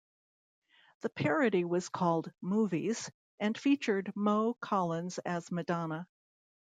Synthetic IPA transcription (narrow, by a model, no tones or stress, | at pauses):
ðɨpʰɛɹɨɾiwʌz̥kʰɔlˠd̚muvḭz̥ | ʔɨ̃nfit͡ʃə˞d̚moʊkʰɑlˠə̃nz̥ɨzmɨdɑnə